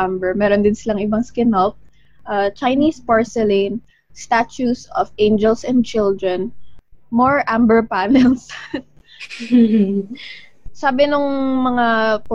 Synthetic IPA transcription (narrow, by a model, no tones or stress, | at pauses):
ambɛɹmɛːɾond̪ɪnsɪlaŋʔɪbaŋskɛnɔlp̚ | ʔaːt͡ʃɐjniːspaɹsɛlin | st̪at͡ʃusɔfẽjnd͡ʒɛlsɛ̃nd̪̚t͡ʃɪld̪ɹɛnmɔɹʔambɛɹpaːnɛls | saːbɪnʊŋmɐŋak